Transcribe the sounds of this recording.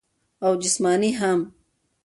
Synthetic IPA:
awd͡ʒɪsmaːniɦam

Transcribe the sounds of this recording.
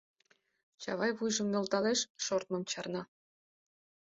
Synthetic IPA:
t͡ɕɑβɑjβujʒə̆mnŏlt̪ɑleʃʃort̪̚mɤ̆mt͡ɕɑrnɑ

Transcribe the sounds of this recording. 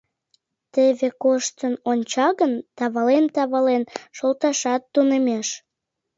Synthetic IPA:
t̪eβekoʃt̪ənonʲt͡ɕɑɣənt̪ɑβɑlent̪ɑβɑlenʃolˠt̪ɑʃɑt̪ːunemeʃ

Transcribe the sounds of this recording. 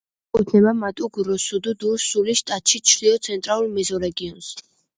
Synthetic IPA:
kʼut̪ʰnɛbamat̪ʼuɡɾɔsud̪ud̪usuliʃt̪ʼat̪ʼʃit͡ʃʰɾiɔt̪sʰɛnt̪ʼɾalˠulmɛzɔɾɛɡiɔns

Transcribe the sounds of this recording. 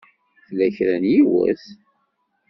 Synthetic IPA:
θlæçɾænjiwə̰θ

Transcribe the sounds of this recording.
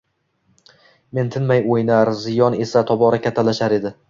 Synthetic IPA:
me̞nt̪ʰɪnmajojnaɾzɪjɒne̞sat̪ʰɒbɒɾakʲʰat̪ʰːalaʃaɾe̞d̪ɪ

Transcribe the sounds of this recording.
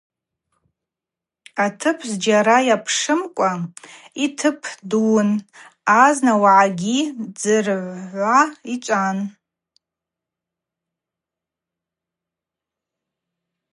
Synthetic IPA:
atʰɨpʰzd͡ʒaɾajapʰʂɨmkʷʼa | itʰɨpʰdun | aznawaʕaɡʲid͡zɨrʕʷʕʷait͡ʃʷʼan

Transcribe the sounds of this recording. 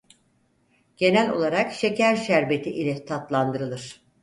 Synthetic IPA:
ɟ̥e̞nælʲo̞̰lˠaɾakʃe̞cʰæɾʃæɾbe̞t̪ʰiʔilʲɛt̪ʰat̪lˠand̪ɯɾɯlˠɯɾ̥

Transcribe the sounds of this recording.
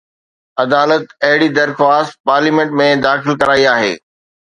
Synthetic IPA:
ɐd̪aːlət̪ɐɦɪɽid̪ɐɾxwaːst̪̚paːɾliːmẽɳʈmẽd̪aːxɪlkɐɾaːiaːɦḛː

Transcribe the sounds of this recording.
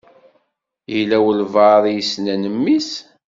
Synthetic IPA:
jəlæwəlvɑðˤijəsnænəmːis

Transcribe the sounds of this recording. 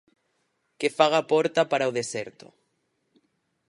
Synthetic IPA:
kɪfaɣapɔɾt̪apaɾaoðesɛɾt̪ʊ̰

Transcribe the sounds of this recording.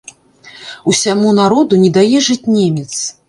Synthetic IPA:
usʲamunaɾɔd̪unʲɛd̪ajɛʐɨt͡sʲnʲemʲɛt̪s

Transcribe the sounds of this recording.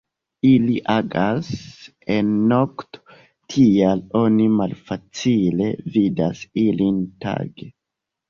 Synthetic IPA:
iliʔaɡasenːokto̥ | tʰialo̞nimalfat͡sile̞vida̰silinta̰ɡe

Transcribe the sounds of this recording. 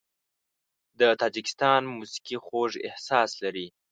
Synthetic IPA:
d̪ət̪ɑd͡ʒɪkɪ̥st̪ɑnmusi̥kixoʐɪ̰hsɑslaɾi

